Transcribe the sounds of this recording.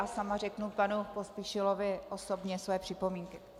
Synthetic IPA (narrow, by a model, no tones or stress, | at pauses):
samarɛknupanupo̞spiʃɪlovɪʔo̞sobɲɛsvɛjɛpr̥ɪpo̞miːŋkɪ